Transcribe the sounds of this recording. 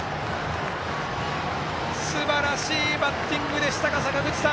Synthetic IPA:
sɨbaɾaɕiːbat̪ːĩŋɡɯ̟d̪e̞ɕi̥t̪akasakaɡɯ̟t͡ɕi̥t̪a

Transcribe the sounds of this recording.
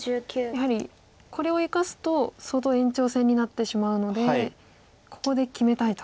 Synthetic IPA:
ɨkʲːjahaɾʲi | kʰo̞ɾe̞o̞ikasɨ̥t̪o̞sot̪o̞ẽ̞ɲ̟t͡ɕo̞ːsẽ̞ɲ̟ːinat̪ːe̞ɕimaɯ̟no̞d̪e̞ | ko̞̥ko̞d̪e̞kʲime̞t̪ait̪o

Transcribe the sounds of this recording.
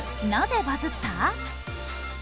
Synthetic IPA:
nad͡ʑebad͡ʑɯtʰa

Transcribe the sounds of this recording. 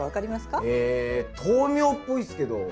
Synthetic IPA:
βakaɾʲimasɨ̥kaet̪ʰoːmʲjoːpːo̞isɨ̥ke̞d̪o̞

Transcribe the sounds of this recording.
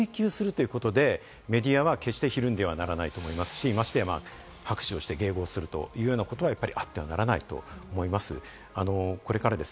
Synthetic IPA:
ikʲɨːsɨɾɯ̟t̪o̞jɯ̟ko̞t̪o̞d̪e̞ | me̞d̪ʲiaβake̞ɕi̥t̪e̞çiɾɯ̟̃nd̪e̞β̞anaɾanait̪o̞ːmo̞imasɨ̥ɕiːmaɕi̥t̪e̞ma̰ː | hakɯ̥ɕio̞ɕi̥t̪e̞ɡe̞ːɡo̞ːsɨɾɯ̟t̪o̞̰jɯ̟ːjo̞ːnako̞t̪o̞βajapːaɾʲiʔat̪ːe̞βanaɾanait̪o̞̰omo̞imasɨ̰ | ano̞ko̞ɾe̞kaɾad̪e̞s

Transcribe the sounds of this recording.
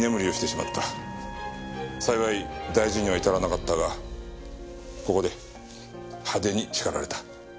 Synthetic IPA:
ne̞mɯ̟ɾʲioɕi̥t̪e̞ɕima̰t̪ːa | saiβaid̪aiʑiɲ̟iβait̪aɾanakat̪ːaɡa | ko̞ko̞d̪e̞ | had̪e̞ɲ̟it͡ɕi̥kaɾa̰ɾe̞t̪ḁ

